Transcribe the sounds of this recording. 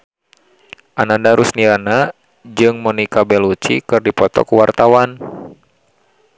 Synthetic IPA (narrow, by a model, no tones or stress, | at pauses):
ʔanandaɾusniɾana | d͡ʒɨŋmɔnikabɛlut͡ʃḭkɨrdipɔt̪ɔ̰kuwart̪awan